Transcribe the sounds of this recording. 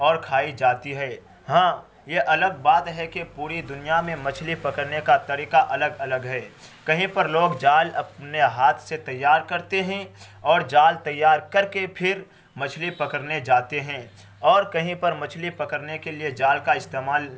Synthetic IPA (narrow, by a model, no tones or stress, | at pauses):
ɔːɾkʰaːid͡ʒaːt̪iɦɛː | ɦãː | jeʔɐləɡ̚baːt̪ɦɛkepuːɾid̪ʊnijamẽmɐt͡ʃʰlipɐkəɾnekat̪ɐɾiːqaʔɐləɡɐləɡɦɛː | kɐɦĩpɐɾloːɡd͡ʒaːlɐp̚neɦaːt̪ʰset̪ɐjːaːɾkɐɾt̪eɦɛ̃ | ɔːɾd͡ʒaːlt̪ɐjːaːɾkɐɾkepʰɪɾ | mɐt͡ʃʰlipɐkəɾned͡ʒaːt̪eɦɛ̃ː | ɔːɾkɐɦĩpɐɾmɐt͡ʃʰlipɐkəɾnekelied͡ʒaːlkaɪst̪eːmaːl